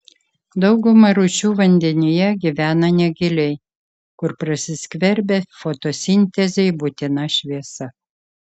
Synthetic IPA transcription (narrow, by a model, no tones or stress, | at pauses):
d̪ɒʊɡʊmɐɾʊt͡ʃʲuːʋɐnʲd̪ʲɛnʲɪjɛɡʲiʋʲæːnɐnʲɛɡʲɪlʲɛɪ | kʊɾpɾɐsʲɪsʲkʲʋʲɛɾʲbʲefot̪oːsʲɪnʲt̪ʲɛzʲɛɪbʊt̪ʲɪnɐʃʲʋʲiɛsɐ